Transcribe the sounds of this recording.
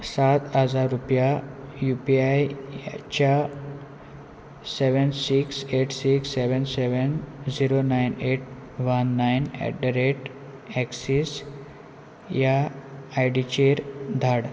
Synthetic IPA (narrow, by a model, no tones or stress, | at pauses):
sat̪ɦəd͡zaɾːupjajupiajt͡ɕa | seʋənsikseʈʰsiksːeʋənseʋənd͡ziɾonajneʈ | ʋənːajnɛ̰ɖɖəɾeʈ | ɛksis | jaajɖit͡ɕeɾd̪ʱaɽ